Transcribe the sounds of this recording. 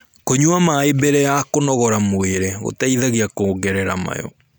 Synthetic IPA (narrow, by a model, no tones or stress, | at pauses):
koɲuamaebɛɾɛjakonɔɣɔɾamoeɾeɣo̰taiðaɣeakoɡɛɾɛɾa̰ma̰jɔ̰